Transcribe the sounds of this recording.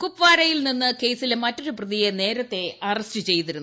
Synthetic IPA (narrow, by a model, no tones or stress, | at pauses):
kupʋaːɾɐjilninːɨke̞jsilmɐtːo̞ɾuprɨðijene̞ːɾɐt̪ːe̞ɐrɐstɨt͡ɕe̞jt̪iɾunː